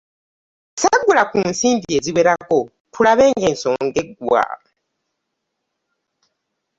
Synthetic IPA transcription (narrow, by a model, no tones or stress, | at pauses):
saɡulakunsiːmbieziweɾako | tʰulaβe̞ːŋɡensoːŋɡeɡwa̰